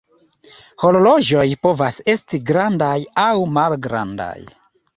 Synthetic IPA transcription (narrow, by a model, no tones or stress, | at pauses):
hololo̞d͡ʒo̞jpo̞vase̞stiɡɾandajawmalɡɾa̰nda̰j